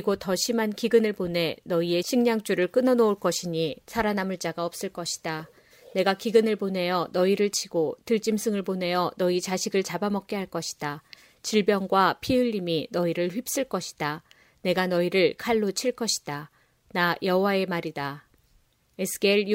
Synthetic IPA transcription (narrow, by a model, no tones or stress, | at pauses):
kiɡotʌɕʰimankiɡɯnɯɭpone̞nʌie̞ɕʰiŋɲaŋt͡ɕ͈uɾɯɭk͈ɯnʌnouɭk͈ʌɕʰiɲisʰaɾanamuɭt͡ɕ͈aɡaʌp̚s͈ɯɭk͈ʌɕʰi̥d̥a | ne̞ɡakiɡɯnɯɭpone̞jʌnʌiɾɯɭt͡ɕʰiɡotɯɭt͡ɕ͈imsʰɯŋɯɭpone̞jʌnʌit͡ɕaɕʰiɡɯɭt͡ɕabamʌk̚k͈eɦaɭk͈ʌɕʰi̥d̥a | t͡ɕiɭbjʌŋɡwapʰiɯʎːiminʌiɾɯɭɸɥip̚s͈ɯɭk͈ʌɕʰi̥d̥a | ne̞ɡanʌiɾɯɭkʰaɭːot͡ɕʰiɭk͈ʌɕʰi̥d̥a | najʌɦwae̞maɾida | esʰɯ̥ɡeɭ